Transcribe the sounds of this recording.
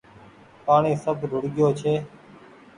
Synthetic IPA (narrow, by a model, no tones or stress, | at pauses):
paːɳiːsəbʱɾʊɽɠɪjoːt͡ʃʰeː